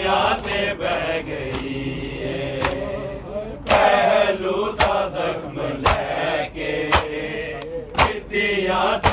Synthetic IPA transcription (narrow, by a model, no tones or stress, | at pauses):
jãːt̪ebɛɡəiɦe | pɛːɦluːd̪aːzəkʰmlɛːke | kɪt̪ijãːt̪